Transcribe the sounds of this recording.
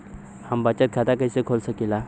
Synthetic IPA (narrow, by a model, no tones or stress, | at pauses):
hambat͡ɕat̪̚kʰat̪akajsekʰolsəkila